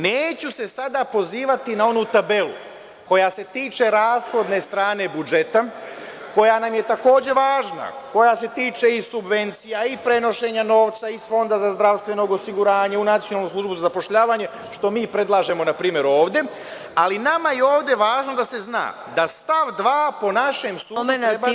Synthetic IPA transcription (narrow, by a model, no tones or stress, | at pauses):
neːt͡ɕuse̞sad̪apo̞ziːʋat̪inao̞nuːt̪abe̞lṵ | ko̞jase̞t̪iːt͡ʃe̞ɾaːsxo̞d̪ne̞st̪ɾaːne̞bud͡ʒe̞t̪a | ko̞janamje̞t̪ako̞ːd͡ʑe̞ʋaːʒna̰ko̞jase̞t̪iːt͡ʃeisubʋe̞nt̪sijaipɾe̞no̞ʃe̞ːɲano̞ːʋt̪saisfo̞nd̪azazd̪ɾaʋst̪ʋe̞no̞ɡosiɡuɾaːɲeunat̪ijonalnuːsluʒbuzazapo̞ʃʎaːʋaɲe̞ | ʃt̪o̞miːpɾe̞d̪lˠaːʒe̞mo̞napɾiːmje̞ɾo̞ːʋd̪je̞ | alinamajeo̞ːʋd̪je̞ʋaːʒno̞d̪ase̞zna̰ː | d̪ast̪aʋd̪ʋaːpo̞naʃe̞msu